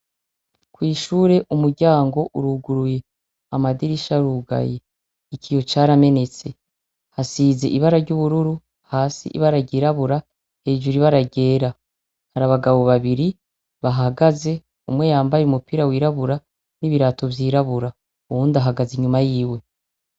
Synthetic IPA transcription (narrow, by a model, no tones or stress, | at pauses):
kwiːʃuːɾe̞ʔumuɾɟaːŋɡo̞ʔuɾuɡuɾuje̞ | amadiɾiʃaɾuːɡa̰jeː | cʰijo̞t͡ʃaɾame̞ne̞t͡se̞ | hasiːze̞̰ʔiβaɾaɾɟuβuɾuɾu | haːsḭʔḭβaɾaɟiːɾaβuɾa | he̞ːʒuɾiβaɾaɟe̞ːɾa | haɾaβaɡaβo̞βaβiɾi | βaɦaɡaze̞ | umwe̞jaːmbajeumupiːɾawiːɾaβuɾa | niβiɾaːto̞vjiːɾaβuɾa | uβuːndaɦaɡaziɲumajiːwe̞